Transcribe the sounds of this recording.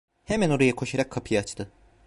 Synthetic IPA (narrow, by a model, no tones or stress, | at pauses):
hemæno̞ɾajakʰo̞ʃaɾakʰːapʰɯjaat͡ʃt̪ʰɯ